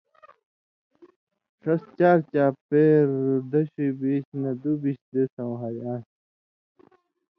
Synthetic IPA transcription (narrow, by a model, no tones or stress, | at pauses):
ʂɐst͡ɕaːɾt͡ɕaːpeːɾd̪ɐɕibiɕnɐd̪ubiɕd̪esɐ̃w̃ɦɐɾãː